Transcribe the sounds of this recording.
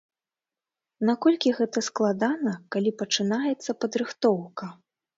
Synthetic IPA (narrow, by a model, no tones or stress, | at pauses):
nakɔlʲkʲiɣɛt̪ɐsklˠad̪anɐkalʲipɐt͡ʂɨn̪ajɛt̪sːɐpɐd̪ɾɨxt̪ɔwkɐ